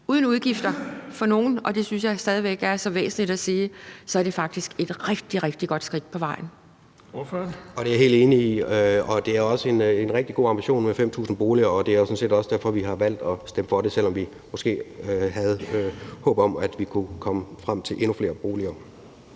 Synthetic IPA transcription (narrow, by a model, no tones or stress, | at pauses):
uːð̞ˠn̩uð̞ˠɡ̥ifd̥ɐfɒ̽no̝ːn̩ɒ̽d̥e̝synsjɑ̈ɪsd̥ɛːð̞ˠiʋeɡ̥æɐsɒ̽ʋḛːsn̩liɾ̥æsiːsɒ̽æɐɾ̥e̝fɑ̈ɡ̥̚d̥isɡ̥e̝d̥ʁɛɡ̥̚d̥iʁɛɡ̥d̥iɡ̥ɒ̽d̥sɡ̥ʁid̥̚pʰɒ̽ʋɑ̈ɪ̰n̩ | ɒ̽d̥e̝æɦe̝̰ːld̥e̝ːniiøɒ̽d̥e̝æɐɒ̽səe̝nenʁɛɡ̥̚d̥iɡ̥o̝ːɑ̈mb̥iɕo̝̰ːnmefem̰t͡sʰṵːsn̩b̥o̝ːliɐɒ̽d̥e̝æɐjo̝sɒ̽n̩se̝̰ːdɒ̽səd̥æɐ̰fɒ̽ʋiɦɑ̈ʋæl̰d̥ɒ̽sd̥eməfɒ̽ɾe̝sel̰ɒ̽mʋi | mɒ̽sɡ̥e̝̰ːøɦæð̞̩ˠhɔ̰̽ːb̥ɒ̽mæd̥ʋikʰukʰɒ̽məfʁam̰t͡sʰe̝lʔe̝nufle̝ːɐb̥o̝ːliɐː